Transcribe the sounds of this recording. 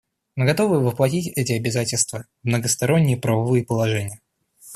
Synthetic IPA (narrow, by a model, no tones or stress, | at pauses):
mɨɡɐt̪o̞vɨvəplˠɐtʲitʲɛtʲɪɐbʲɪzatʲɪlʲst̪və | vmnəɡəst̪ɐɾo̞nʲːɪjəpɾəvɐvɨjəpəlˠɐʐɛnʲɪjə